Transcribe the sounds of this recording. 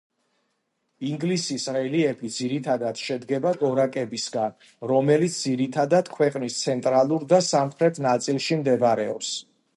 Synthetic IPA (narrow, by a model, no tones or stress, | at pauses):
iŋɡlisisɾɛliɛbid̪ziɾit̪ʰad̪ad̪̥ʃɛd̪ɡɛbaɡɔɾakʼɛbisɡan | ɾɔmɛlit̪sʰd̪ziɾit̪ʰad̪ad̪̥kʰwɛqʼnist̪sʰɛnt̪ʼɾalˠuɾd̪asampʰɾɛt̪ʰnat̪sʼilˠʃimd̪ɛbaɾɛɔ̰ps